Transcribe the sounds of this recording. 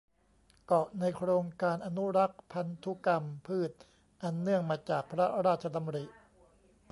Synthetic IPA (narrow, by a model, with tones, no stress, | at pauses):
kɔ˨˩ʔna˧jkʰɾoː˧ŋkaː˧nʔa˧nu˦˥ɾa˦˥k̚pʰa˧nt̪ʰu˦˥ka˧mpʰɯː˥˩t̪̚ | ʔa˧nːɯ˥˩əŋmaː˧t͡ɕaː˨˩k̚pʰɾa˦˥ɾaː˥˩t̪̚t͡ɕʰa˧t̪ʰa˧mɾi˨˩ʔ